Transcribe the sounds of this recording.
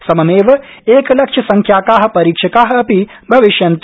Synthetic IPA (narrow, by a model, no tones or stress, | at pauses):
sɐmɐmeːʋɐ | eːklɐkʂʃʰɐsɐŋkʰjaːkaːɦɐ̆pɐɾiːkʂɐkaːɦɐ̆ɐpi | bʱɐʋiʃjɐnt̪